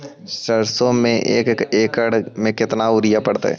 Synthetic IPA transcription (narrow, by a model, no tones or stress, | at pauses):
ʃəɾsõmẽʔḛːkkeːkəɽmẽkɪt̪naʊɾɪjapəɽt̪a̰ɦɛ̰ː